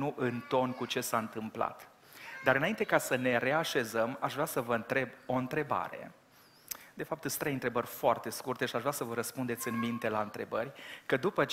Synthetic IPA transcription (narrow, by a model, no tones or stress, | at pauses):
nuʔɨnt̪o̞nkut͡ʃe̞saɨnt̪ɨmpla̰t̪ | d̪aɾɨnaint̪ekasəne̞ɾe̞aʃe̞zəmaʃvɾeasəvəɨnt̪ɾe̞bo̞ɨnt̪ɾe̞ba̰ɾe̞̰ | d̪e̞fap̚t̪ɨst̪ɾejɨnt̪ɾe̞bərʲfoart̪e̞skurt̪e̞ʃiaʃvɾʲasəvəɾəspund̪e̞t̪sʲɨnmint̪e̞laɨnt̪ɾe̞bərʲkəd̪upət͡ʃ